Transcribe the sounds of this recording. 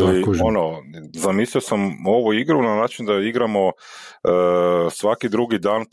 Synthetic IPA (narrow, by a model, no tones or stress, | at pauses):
lionozamiːslʲiosamo̞ʋuiɡɾunanaːt͡ʃind̪aiɡɾamo̞ | sʋakid̪ɾuɡid̪aːn